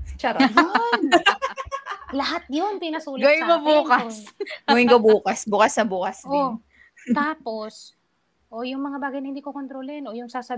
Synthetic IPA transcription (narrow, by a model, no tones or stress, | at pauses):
t͡ʃɐɾn | lɐɦat̪̚jonpinɐsuːlɡoɪkɐbuːkɐsɡoɪŋkobuːkɐsbukɐsnɐbuːkɐso | t̪aːpos | ʔojʊŋmɐŋabaːɡɐjnɐhɪnd̪iːkokont̪ɾoːlɛno̞jʊŋsaːsɐ